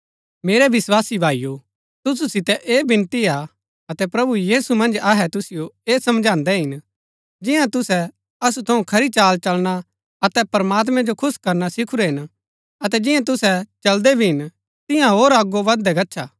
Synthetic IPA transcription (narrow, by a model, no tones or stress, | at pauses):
meːɾɛʋɪswaːsibʱaːiju | t̪ʊs̬usɪt̪ɛʔeːbɪ̃nt̪ia | ɐt̪ɛpɾɐbujiːsumɐ̃nd͡ʒaɦɛt̪ʊsɪjoeːsɐmd͡ʒʱãːnd̪ɛɦɪn | d͡ʒɪ̃jãt̪ʊsɛ | ɐsut̪ʰɐũkʰɐɾit͡ʃaːlt͡ʃɐlña | ɐt̪ɛpɐɾmaːt̪̬mɛ̃d͡ʒokʰʊskɐɾnasɪkʰuɾɛɦɪn | ɐt̪ɛd͡ʒɪ̃jãt̪̬ʊsɛt͡ʃɐld̪ɛbʱiɦɪn | t̪ɪ̃jãɦoːɾaɡːoʋɐd̪ɛɡɐtːʃʰaː